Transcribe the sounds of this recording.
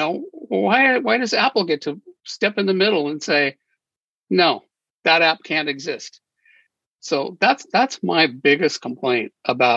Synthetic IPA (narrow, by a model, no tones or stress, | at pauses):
oʊwaɪwaɪɾʌzæpl̩ˠɡɛtʰɨstɛpɨ̃nðɨmɪɾl̩ˠə̃nseɪ | noʊ | ðəɾæp̚kʰæ̃ntɨɡzɪst̚ | soʊðætsðætsmaɪbɪɡɨskʰm̩pʰl̥ẽɪ̃nt̚ʔəbaʊ